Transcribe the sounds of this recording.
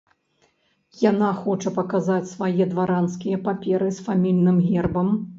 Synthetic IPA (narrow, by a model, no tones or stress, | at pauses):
janaxɔt͡ʂɐpɐkazat͡sʲsvajɛd̪vaɾanskʲijɐpapʲɛɾɨsfamʲilʲnɨmɣʲɛrbɐm